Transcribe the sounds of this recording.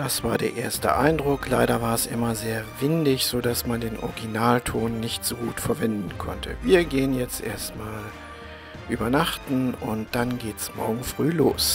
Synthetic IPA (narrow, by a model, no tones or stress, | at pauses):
d̥asv̥aːɐdeːɐʔḛːɐstə̰ʔa̰ɪndʁʊklaɪɾɐvaːɐɛsʔɪ̰mɐzeːɐvɪndɪçz̥oːdasmandeːnʔɔ̰ʁɡinaːltʰoːnːɪçtz̥oːɡuːtfɛɐvɛndn̩kʰɔ̰ntʰə̰viːɐɡeːənjɛt͡stʔḛːɐstmaːl | ʔyːbɐnaχtn̩ʔʊnt̚d̥anɡeːtsmɔ̰ɐɡŋ̩fʁ̥yːloːs